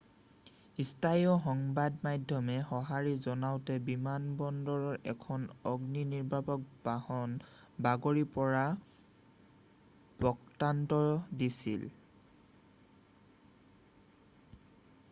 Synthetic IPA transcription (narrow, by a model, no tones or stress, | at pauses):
istʰajɔxɔŋbadmajdʱjɔmɛxɔɦaɹizɔnawtɛbimanbɔndɔɹɔɹɛ̰kʰɔnɔɡniniɹbʱapɔk̚bahɔn | baɡoɹipɔɹa | bɔktantɔdisḭl